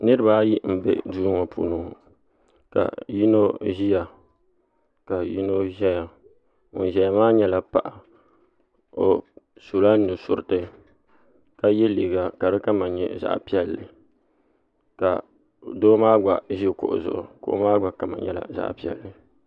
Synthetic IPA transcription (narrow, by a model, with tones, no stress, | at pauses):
nɨ˦ɾɨ˦ba˦ji˦m̩˨bɛ̰˦˨duː˦ŋɔ˨pʰṵː˨nu˨ | ka̰˨ji˦no˦ʒi˦ja˨ | ka˨ji˦no˦ʒɛ˦ja˨ | ŋo˨ʒɛ˨˦ja˨maː˦ɲɛ˦la˨pa˨ʔa˨ | o˨su˨la˦nɨ˨sʊ˨ɾɪ˨tɨ˦ | ka˦jɛ˦liː˨ɡa˨ka˨ɾɨ˦ka˦ma˨ɲɛ̰˨za̰˦ʔpi˦ɛ˦lːɨ˨ | ka̰˨ | doː˦maː˦ɡ͡ba˨ʒi˦˨kʊ̰˨ʔʊ̰˨zʊ̰˨ʔʊ̰˨kʊ̰˨ʔʊ̰˦maː˦ɡʷa˨ka˨ma̰˨ɲɛ̰˦la̰˨za̰˦˨ʔpi˦ɛ̰˨lːɨ˨